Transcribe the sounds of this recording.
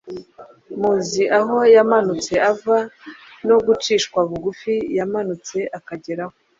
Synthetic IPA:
muziʔaɦo̞jamanut͡se̞avano̞ɡut͡ʃiːʃkwaβuɡufijamanut͡se̞ʔakaɟe̞ɾaho

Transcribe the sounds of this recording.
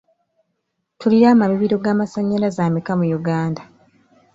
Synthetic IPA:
tuliɾaːmamiβiɾo̞ɡaːmasaɲːalazaːmikamujuɡaːnda

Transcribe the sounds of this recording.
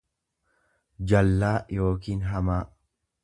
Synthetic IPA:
d͡ʒɐlːaːjo̞ːkiːnɦɐmaː

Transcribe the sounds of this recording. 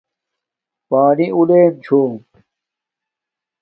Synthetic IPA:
paːniʔuleːnt͡ɕʰoːm

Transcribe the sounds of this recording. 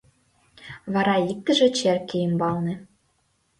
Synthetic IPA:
βɑɾɑik̚t̪ɘ̆ʒĕt͡ɕerkʲejɘ̆mbɑlˠnĕ

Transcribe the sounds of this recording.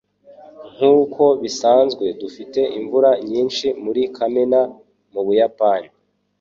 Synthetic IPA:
ŋ̥huːkʰo̞βisaːnzɡwe̞dufite̞ʔiɱvuɾaɲiːnʃimuɾikʰamena | muβujapani

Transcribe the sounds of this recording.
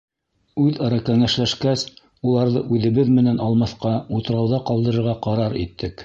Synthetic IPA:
ʉðɑɾɑkæŋæʃlæʃkæs | ulˠɑɾðɤ̰ʔʉðɘ̆βɘðmɘ̆nænɑlˠmɑθqɑut̪ɤ̆ɾɑwðɑqɑlˠd̪ɤ̆ɾɤ̆ɾʁɑqɑɾɑɾit̪ːɘk

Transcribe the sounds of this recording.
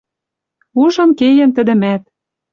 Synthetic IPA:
uʒɤ̆mkejɘ̆mt̪ə̆d̪ɘ̆mæt̪̚

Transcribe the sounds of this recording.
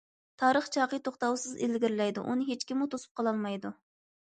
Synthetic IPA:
t̪ʰɑːɾəχt͡ʃʰɑːqət̪ʰoχt̪ɑwsɨzɪlɡʲiɾɪlɛjd̪ṵʔunɨɦet͡ʃkʲimːut̪ʰosu̥p̚qʰɑlˠɑlˠmɑjd̪u

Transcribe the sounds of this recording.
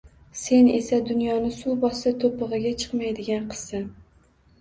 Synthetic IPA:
se̞ne̞sad̪ʊnjɒnɪsubɒsat̪ʰopɨʁɨɡʲat͡ʃʰɨ̥qmajd̪ɪɡʲanqʰɨ̥z̥san

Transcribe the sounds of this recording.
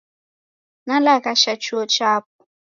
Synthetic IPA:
nalakaʃat͡ʃuot͡ʃap̚ʊ

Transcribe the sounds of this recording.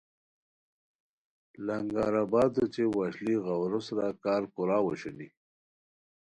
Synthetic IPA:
laŋɡaːɾabɑːd̪ot͡ʃewaʃliɣawɾosɾakɑːɾkʊɾɑːwaʃuni

